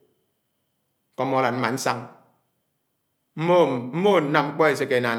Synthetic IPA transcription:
kɔ˦mɔ˨˦la˨n̚m̩˦ma˨n̩˦sa˦ŋ | m̩˦mo˦m̩˦mo˦˨n̩˦na˦m˦ŋ͡m̩˦k͡pɔ˦e˨s̬e˦ke˨na˨

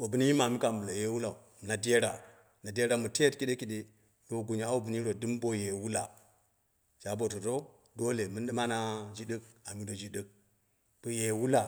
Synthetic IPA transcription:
o˨bə˨ni˦ji˦ma˨mi˦ka˨mbu˨la˨je˦wu˦la˨u˨ | m˨na˨de˦ɾa˨ | na˨de˦ɾa˨mu˨te˦tki˦ɗe˦ki˨ɗe˦ | do˦ɡu˨ɲa˨a˦u˦˨bu˨ni˦ɾo˨dɨ˦mbo˨je˨wu˦la̰˨ | d͡ʒa˨bo˨tu˨ɾo˦ | do˦le˨mɨ˦nɗə˦ma˦na˦d͡ʒi˦ɗə˦k̚a˨mi˦do˨d͡ʒi˦də˦k̚ | b̥u˨je˨wu˦la˨

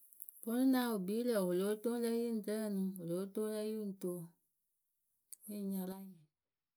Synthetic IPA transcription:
fo˦nũ˦nã˦wo˨bi˦lə˨wo˨lo˨˦to˦lɛ˦ji˦n̩˨tə˦˨nũ˨wo˨lo˨˦to˦lɛ˦ji˦n̩˨to˨˦˨ | i˦˨ɲã˨la˦ɲɛ̃˨

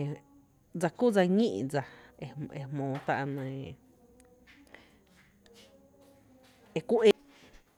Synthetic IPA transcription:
d͡za˧ku˦˨d͡za˧ŋĩ˦ʔd͡za˧e˧e˧mõː˨˦t̪a̰˧ʔnə̃˧ | e˧kʷu˦ʔe˦

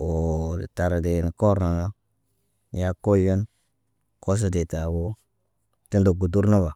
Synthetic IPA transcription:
o̰˨ta˨ɾde˨ni˨ko˦ɾna˨ŋa˦ | ja˦ko˦jo˦n | ko˦s̬o˦de˨ta˨wo˦ | te˦ndo˨ɡu˨du˦ɾna˦ba˨

